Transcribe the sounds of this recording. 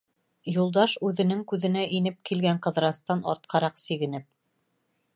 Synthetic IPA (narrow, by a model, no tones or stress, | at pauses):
julˠd̪ɑʃʉðɘ̆nɘŋkʉðɘ̆næʔinɘp̚kilɡæɴqɤ̆ðɾɑst̪ɑnɑ̰ɾt̪̚qʰɑɾɑqsiɡɘ̆nɘp̚